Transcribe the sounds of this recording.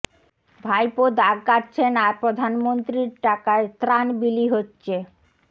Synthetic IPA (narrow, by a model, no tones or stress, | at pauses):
bʱajpod̪aɡ̚kaʈt͡ɕʰenaɾpɾod̪ʱanmont̪ɾiɾʈakaet̪ɾanbiliɦotːɕʰe